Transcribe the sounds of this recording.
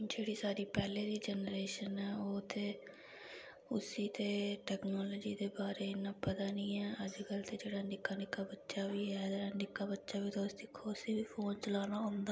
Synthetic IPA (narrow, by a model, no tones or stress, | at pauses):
d͡ʒeːɽiːsaːɾiːpɛːleːd̪iːd͡ʒɛnɾeːʃənɛːoːt̪ʰeː | ʊsiːt̪eːʈɛːknɔːloːd͡ʒiːd̪eːbaːɾeːɪnãːpət̪aːnĩːɛːəd͡ʒkəlt̪eːd͡ʒeːɽaːnɪkːaːnɪkːaːbətːʃaːʋiːɦɛːd̪anɪkːaːbətːʃaːʋiːt̪eʊsd̪iːkʰoːsiːʋiːpʰoːnt͡ʃəlaːnaːɦõːnd̪aː